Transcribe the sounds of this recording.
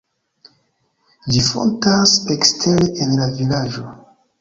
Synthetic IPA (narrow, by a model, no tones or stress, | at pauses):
lifo̞̰ntasekstʰeleʔenlavilad͡ʒo